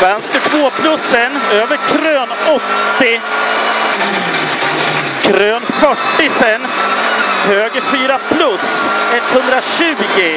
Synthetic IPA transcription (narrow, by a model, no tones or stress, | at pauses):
vɛnsk̪əʈʰvoːpʰlɵsːənøːvəɾkʰɾøːnɔt̪ːɪ | kʰɾøːnfœʈːɪsɛn | høːɡəfyːɾapʰlɵsɛt̪ːhɵnd̪ɾaɕʉ̟ːɡɪ